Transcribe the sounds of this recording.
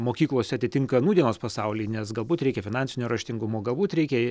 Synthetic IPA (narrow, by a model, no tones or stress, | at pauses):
moːkʲiːklˠoːsʲɛɐt̪ʲɪt̪ʲɪŋkɐnuːd̪ʲiɛnoːspɐsɑʊlʲiːnʲɛsɡɐlˠbuːt̪ɾʲɛɪkʲɛfʲɪnɑːnʲsʲɪnʲuːɾɐʃʲt̪ʲɪŋɡʊmoːɡɐlˠbuːt̪ɾʲɛɪkʲɛ